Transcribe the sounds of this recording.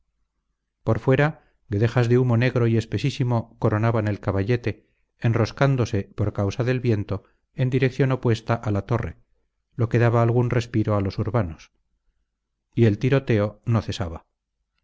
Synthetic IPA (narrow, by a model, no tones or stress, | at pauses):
po̞ɾfwe̞ɾa | ɡeðe̞xazðe̞umo̞ne̞ɣɾo̞ie̞spe̞sisimo̞ko̞ɾo̞naβane̞lkaβaʎe̞t̪e̞ː | nro̞skand̪o̞se̞po̞ɾkawsaðe̞lβje̞nt̪o̞ | e̞nd̪iɾe̞kθjo̞no̞pwe̞st̪aʔalat̪o̞re̞̰ | lo̞ke̞ðaβaːlɣ̞unre̞spiɾo̞alo̞suɾβano̞s | ie̞lt̪iɾo̞t̪e̞o̞no̞θe̞saβa